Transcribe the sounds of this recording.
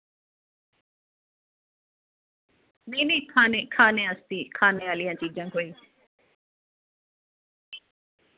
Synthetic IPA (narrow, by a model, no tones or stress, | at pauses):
meːniːkʰaːneːkʰaːneːəst̪iːkʰaːneːaːlɪjãːt͡ʃiːd͡ʒãːɦoːiː